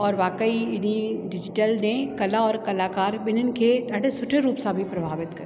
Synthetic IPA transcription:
ɔːɾʋaːkəiɪniɖɪd͡ʒɪʈəlnekɐlaɔːɾkɐlaːkaːɾbɪnənkeɖaːɽesʊʈʰeɾuːpsabʱipɾɐbʱaːʋɪt̪kɐɾ

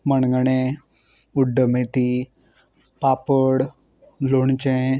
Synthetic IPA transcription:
mənɡəɳe | uɖːəmet̪i | paːpəɽ | loɳt͡ʃẽ

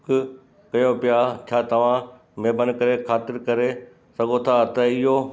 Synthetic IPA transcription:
k | kɐjõpɪjat͡ɕʰaːt̪ɐʋ̤ã | meːbənɪ̆kɐɾekʰaːt̪ɪɾkɐɾe | sɐɡot̪ʰat̪ɐɪɦo

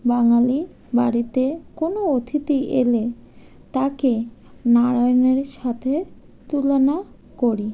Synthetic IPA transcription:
baŋali | baɽit̪ekonoot̪ʰit̪iʔḛle | t̪akenaɾajneɾʃat̪ʰe | t̪ulona | koɾi

